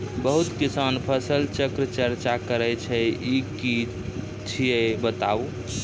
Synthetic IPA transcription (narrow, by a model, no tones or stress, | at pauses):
bəɦut̪kisanpʰəsəlt͡ʃəkɾət͡ʃəɾt͡ʃakəɾɛt͡ʃʰɛiki | t͡ʃʰijebət̪aw